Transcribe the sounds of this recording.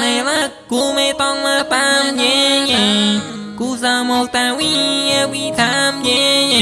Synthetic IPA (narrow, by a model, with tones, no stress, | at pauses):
na˧˩la˧˥˧kːu˧˩ma˧˩jt̪ɔ˥˧˩ŋmaː˧p̪a˧˥mje˧˥ja˨˧ | ku˧saː˧˩moː˧k̚t̪aː˧wi˧˥˧ja˧˥wi˧˥t̪ʰa˧˥mje˧˥ja˧